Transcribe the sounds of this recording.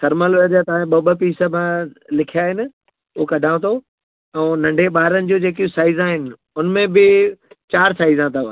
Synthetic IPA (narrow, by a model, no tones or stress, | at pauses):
sɐɾməlʋeɾd͡ʑat̪ɐʋãẽɓɐbə̆piːsə̆mãlɪkʰijaːɦɪnɪ̆ | ʊɦokɐɖʱãːt̪ʰo | ɛ̃ːnɐ̃ɳɖʱeɓaːɾənɪ̆d͡ʑoːd͡ʑeːk̬iũsaːizaːɦɪnɪ̆ | ʊnmẽbɪt͡ɕaːɾsaːizãt̪ɐʋ